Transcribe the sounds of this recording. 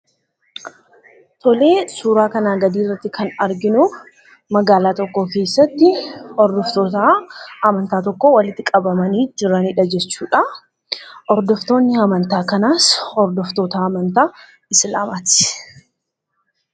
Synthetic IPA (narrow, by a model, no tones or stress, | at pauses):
t̪ʰɔle̞ːsuːɾaːkɐnaːɡɐd̪iːrːɐt̪ːɪkʰɐnɐɾɡɪnu | mɐɡaːlaːt̪ɔkːoːke̞ːsːɐt̪ːɪɔɾd̪ɔft̪oːt̪aɐmɐnt̪aːt̪ɔkːowɐlɪt̪ːɪkʼɐbɐmɐniːd͡ʒɪɾɐnɪᶑɐd͡ʒɛt͡ʃːuːᶑɐ | ʔɔɾd̪ɔft̪o̞ːnːɪɐmɐnt̪aːkɐnaːsɔɾd̪ɔft̪o̞ːt̪aɐmɐnt̪aː | ɪslaːmaːt̪ɪ̥